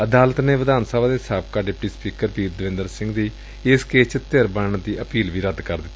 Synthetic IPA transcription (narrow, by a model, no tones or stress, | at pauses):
əd̪aːlət̪neːʋəd̪aːnsəbaːd̪eːsaːp̚kaːɖɪpʈiːspiːkəɾpiːt̪d̪əʋɪ̃nd̪əɾsɪ̃ŋɡd̪iː | ɪskeːt͡ʃt̪eɾbəɳd̪iːʔəpiːlʋiːɾəd̪kəɾd̪ɪt̪ː